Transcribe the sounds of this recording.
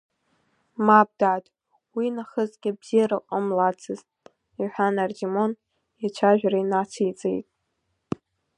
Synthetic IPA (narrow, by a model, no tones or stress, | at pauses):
mab̚daːdʼ | winaχəzɡʲɪbz̥ijarɨqʼəmlat͡sʰɨztʼ | iħʷᶣanard͡ʒimo̞n | jat͡ʃʷʰaʒᶣarajnat͡sʰijt͡sʼḛjtʼ